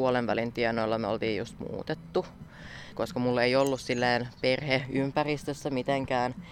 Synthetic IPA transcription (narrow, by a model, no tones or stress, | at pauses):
uolenʋælint̪iɛnoilːɑmeo̰lt̪iːjjṵst̪mṵːt̪et̪ːu | koskɑmulːeiolːussilːeːnperheympærist̪øsːæmit̪eŋkæːn